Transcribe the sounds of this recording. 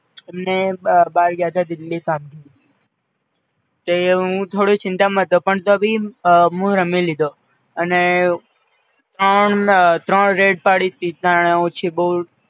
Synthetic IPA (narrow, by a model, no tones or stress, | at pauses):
emnebaːɾɡjat̪ad̪ɪlːikamkəɾi | t̪eɦũt̪ʰoɽit͡ʃɪ̃nt̪amət̪opəɳt̪obʱimũɾəmilid̪o | əne | t̪ɾəɳt̪ɾəɳɾeɖ̚paɽit̪it̪ãɳ̃eũt͡ʃʰibəɦu